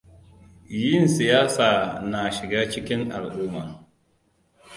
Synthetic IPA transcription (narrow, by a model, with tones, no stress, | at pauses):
jɪ˦˨nsɪ˨jaː˦saː˨na˨ʃɪ˨ɡaː˦t͡ʃɪ˦kʲɪ˦ŋʔa˨lʔuː˦ma˨